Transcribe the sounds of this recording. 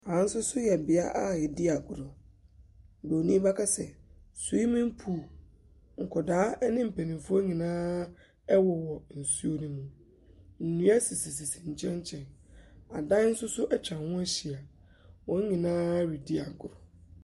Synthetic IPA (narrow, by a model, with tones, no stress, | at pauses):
ã˨˦n̩˦sʊ˦sʊ˦jɛ˨bɪ˨a˦ʔa˦jɛ˨di˦a˨ɡʊ˨ɾʊ˨ | bo˨nĩ˦ba˦kʰa˦sɛ˨su˨˦i˦mĩ˦m˦pʰu˨ | ŋ̩˨kʰɔ˨daː˨˦nɪ̃˦m̩˨pʰe˨nĩ˨m˨fʊ˦o˦ɲĩ˨nãː˦ | ɛ˦wɔ˨wɔ˨n̩˨su˦o˨nũ˦mũ˨ | n̩˨nũ˦æ˦si˨si˨s̬i˨sĩ˨ɲ̩˨t͡ɕʰɛ̃˦ɲ˦t͡ɕʰɛ̃˨na˨dã˦n̩˦sʊ˦sʊ˦ʔɛ˦t͡ɕʰᶣã˨hʊ̃˦æ˦ɕi˨a˨ | wɔ̃˨˦ɲĩ˨nãː˦ɥi˨di˦a˨ɡʊ˨ɾʊ˨